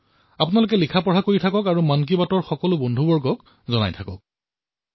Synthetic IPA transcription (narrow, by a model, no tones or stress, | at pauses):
apʊnalʊk̬ɛlikʰapɔɹɦakoɹitʰakɔkaɹumankibatɔɹxɔkɔlʊbɔndʱubɔɹɡɔk | zɔna̰jtʰakɔk̚